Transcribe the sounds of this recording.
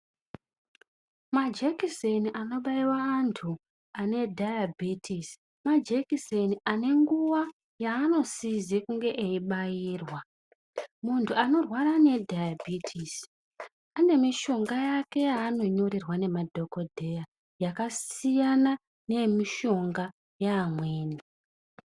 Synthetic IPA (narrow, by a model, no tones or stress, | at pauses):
mad͡ʒekiseniʔano̞ɓaiwaːntʰu | ane̞dʱajabʱitʰis | mad͡ʒekiseniane̞ŋɡuʋa | jaːno̞sizikuŋɡe̞ʔeiɓajiːrwa | muntʰuano̞rwaɾane̞dʱajabʱitʰis | ane̞miʃo̞ŋɡajake̞jaːno̞ɲo̞ɾirwane̞madʱo̞ko̞dʱe̞ja | jakasijana | ne̞miʃo̞ŋɡa | jaːmweːni